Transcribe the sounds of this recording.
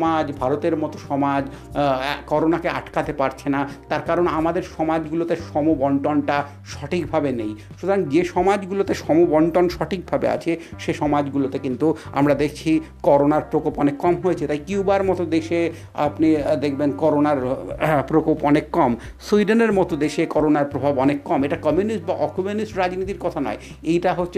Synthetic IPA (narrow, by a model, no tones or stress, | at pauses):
mad͡ʑbʱaɾot̪eɾmɔt̪oʃɔmad͡ʑ | kɔɾonakeaʈkat̪epaɾt͡ɕʰenat̪aɾkaɾonamad̪eɾʃɔmad͡ʑɡulot̪eʃɔmubɔɳʈɔnʈa | ʃɔʈʰikbʱabenejʃut̪oɾaŋd͡ʑeʃɔmad͡ʑɡulot̪eʃɔmobɔɳʈonʃɔʈʰik̚bʱabḛa̰t͡ɕʰeʃeʃɔmad͡ʑɡulot̪ekint̪ua̰mɾad̪ekʰt͡ɕʰikɔɾonaɾpɾokopɔnekːɔmɦojet͡ɕʰet̪ajkiwbaɾmɔt̪od̪eʃe | a̰pnid̪ek̚ʰbenkɔɾonaɾpɾokopɔnekːɔmsuiɖeneɾmɔt̪od̪eʃekɔɾonaɾpɾobʱabɔnekːɔmeʈakɔmjunisʈbaʔɔkomunisʈɾad͡ʑnit̪iɾkɔt̪ʰanɔ̰e | ejʈaɦotːɕʰe